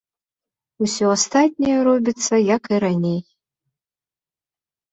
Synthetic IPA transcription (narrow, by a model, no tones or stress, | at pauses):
usʲoast̪atʲnʲijɛɾobʲitt͡s̪ːɐjakiɾanʲej